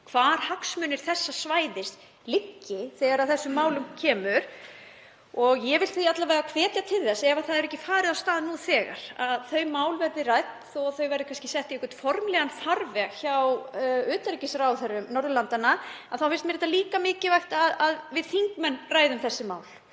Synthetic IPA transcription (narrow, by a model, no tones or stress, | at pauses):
kʰvaːɾ̥haksmʏːnɪɾ̥θɛsːasvaːjðɪst̪ | lɪcːɪθɛːɣaɾaðθɛsːʏmːaːwlʏmcʰɛːmʏɾ̥ | ɔɣjɛvɪlθiat̪lavajɣakʰv̥ɛːt̪jat̪ʰɪlθɛsːɛvaθaðɛɾɛhcɪfaːɾɪðawst̪aːðnuθɛːɣa̰ɾ̥aðθœɥmaːwlvɛɾðɪrajt̪θɔaθœɥvɛjɾðʏkanscɪsɛht̪iɛkʏt̪fɔɾmlɛːɣanfaɾvɛçawʏːt̪aɾcɪsɾawθɛɾːʏmnɔɾðʏlant̪anaaðθawfɪn̥stmɛɾɛt̪aliːkamɪːcɪvajxt̪aðaðvɪðθiŋkmɛnːraːjðʏmθɛsːɪmaːwl